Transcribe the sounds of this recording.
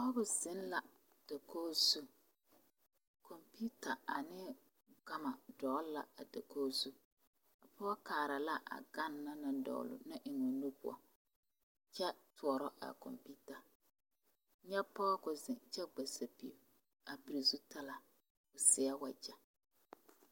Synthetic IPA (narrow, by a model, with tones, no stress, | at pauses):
ɔ˦bʊ˨zɪ˦nla˨ | d̥a˨koː˦zu˦ | kʰɔ˨mpi˦ta˨a˨nɪ˦ | ɡa˦ma˨dɔː˨˦lla̰˨a˨da˨ko˦zu˦ | a˨pʰɔ˦kaː˨ɾa˨la˦ʔa̰˨ɡa˦˨nːa˦na˦dɔ̰˨lʊ̰˨na˦ʔɪ˨ŋɔ˨nu˦pʊ̰˨ɔ̰˨ | t͡ʃɛ˦tʰʊ˨˦ɔ˨ɾɔ˦ʔa̰˨kɔ̰˨mpi˦ta˨ | ɲɛ˦pɔ˦kʊ˨zɪ˨nt͡ʃɛ˦ɡ͡ba˨sa˨pi˨u˨ | a˨pi˨ɾi˨zu˦ta˦la˨ | ʊ˨sɪ˦a˦wa˨d͡ʒa˨